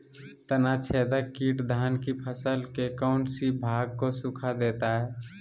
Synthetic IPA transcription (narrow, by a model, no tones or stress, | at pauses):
t̪ənat͡ʃʰeːd̪əkːiːʈd̪ʱaːnkipʰəsəlkekaʊnʈsibʱaːɡ̚kosukʰad̪eːt̪aɦɛː